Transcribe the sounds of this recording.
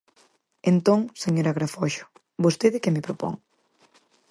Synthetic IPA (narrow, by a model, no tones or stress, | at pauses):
ent̪oŋseɲoɾaɣɾafɔʃo̥ | bost̪eðɪkemɪpɾopo̰ŋ